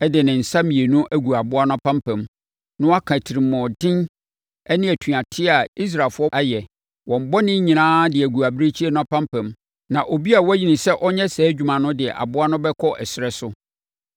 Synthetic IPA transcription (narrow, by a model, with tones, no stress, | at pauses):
ɛ˦dɪ˨nɪ̃˨n̩˨sa˦mĩ˨e˨nʊ̃˦ʔæ˦ɡu˨a˨bʊ˦a˦nʊ̃˦a˦pʰã˦mpɛ̃˨m | nʊ̃˦a˦kʰã˨tʰi˨ɾi˨mːɔ̃˨dɪ̃˦n | ɛ˦nɪ̃˦ɛ˨tʰu˨a˨tʰɪ˦a˨i˦s̬ɾa˨lfʊ˦ɔ˦a˦jɛ˨ | wɔ̃˨m˨bɔ˦nɪ̃˦ɲĩ˨nãː˦dɪ˨æ˨ɡu˨a˨bɾe˦t͡ɕʰi˦ɛ˦ñ˦a˨pã˦mpʰæ̃˨m | nã˨ʔo˨bi˦a˨wɔ˦æ˦ji˨nɪ̃˨sɛ˦ʔɔ˦ɲɛ̃˦sɛː˨˦d͡ʑᶣu˨mã˨nʊ̃˦dɪ˨ɛ̰˨ʔa̰˨bʊ˦a˦nʊ̃˦bɛ˦kʰɔ˦ʔɛ˨sɾɛ˦sʊ˦